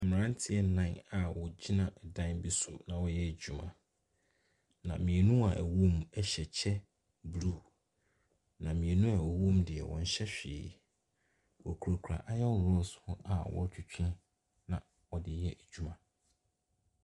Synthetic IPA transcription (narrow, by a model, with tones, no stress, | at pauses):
m˨ɾã˦n˦tʰɪ˦ɛ˦nã˦˨˦a˨wɔ˨d͡ʑi˦nã˨dã˦nbi˦sʊ˨nã˨wɔ˨jɛ˦æ˨d͡ʑᶣu˦mã̰˨ | nã̰˨mĩ˨ɛ˨nũ˦a˨ʔæ˨wũ˦mɛ˦ɕɛ˨t͡ɕʰɛ˦ | blu˦˨ | nã˨mĩ˨ɛ˨nũ˦a˨ɔ˨wũ˦mdɪ˨ɛ̰˨wɔ̰̃˨n˨ɕɛ˦ɕᶣɪ̰ː˨ | wɔ˨kʰu˨ɾo˨kʰu˨ɾa̰˨ʔa˨jɛ˦ʊ˨ɾɔ˦˨sʊ̥˨hʊ̃˦ʔa˨wɔ̰˦t͡ɕʰᶣʊ˨t͡ɕʰᶣɪ̃˦n | nã˨ | wɔ˨dɪ˨jɛ˦ʔæ˨d͡ʑᶣu˦mã˨